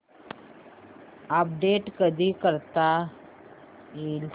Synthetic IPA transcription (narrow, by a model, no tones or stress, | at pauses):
əp̚ɖeʈkəd̪ʱiːkəɾt̪a | il